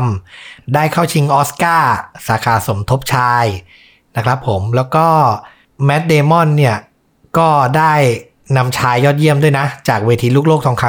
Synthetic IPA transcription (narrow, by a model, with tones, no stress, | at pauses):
mdaː˥˩jkʰa˥˩wt͡ɕʰi˧ŋʔɔː˦˥skaː˥˩saː˩˦kʰaː˨˩so˩˦mt̪ʰo˦˥p̚t͡ɕʰaː˧j | na˦˥kʰɾa˦˥pʰːo˩˦mlɛː˦˥wkɔː˥˩ | mɛ˦˥t̪̚deː˧mɔ˥˩nːi˥˩ɐ | kɔː˥˩daː˥˩j | na˧mt͡ɕʰaː˧jːɔː˥˩t̪̚ji˥˩əmdu˥˩əjna˦˥t͡ɕaː˨˩k̚weː˧t̪ʰiː˧˦luː˥˩k̚loː˥˩kt̪ʰɔː˧˦ŋkʰa˦˥